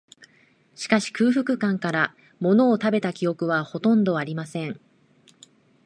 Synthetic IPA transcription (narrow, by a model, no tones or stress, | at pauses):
ɕi̥kaɕi̥kɯ̟ːɸɯ̟kɯ̟kãŋkaɾa | mo̞no̞ːt̪abe̞t̪akʲio̞kɯ̟βaho̞t̪õ̞nd̪o̞aɾʲimasẽ̞ɴ